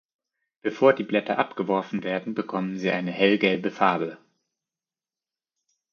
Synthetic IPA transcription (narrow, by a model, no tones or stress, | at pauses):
b̥əfoːɐdiːblɛtɐʔapɡ̥əvɔɐfn̩veːɐdn̩bəkʰɔmənziːʔaɪnəhɛlɡɛlbəfaɐbl̩